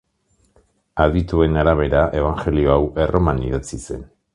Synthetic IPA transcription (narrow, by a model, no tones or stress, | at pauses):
aðd̪it̪ue̞naɾaβ̞e̞ɾaʔe̞β̞aŋxe̞lio̞awe̞rʔo̞maniðat͡sise̞̰n